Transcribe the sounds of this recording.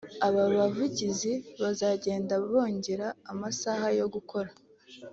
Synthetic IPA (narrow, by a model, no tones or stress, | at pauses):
aβaβavuɟiziβazaɟe̞ːndaβo̞ːɲɟe̞ɾaːmasaːhajo̞ɡukʰo̞ɾa